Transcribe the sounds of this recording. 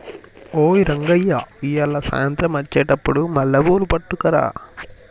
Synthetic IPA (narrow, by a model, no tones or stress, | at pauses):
oːiɾɐŋɡɐjːaijɐlːɐsa̰ːjɐnt̪ɾɐmɐt͡ʃːɛːʈɐpːuɽumɐlːɐboːlupɐʈːukɐɾa̰ː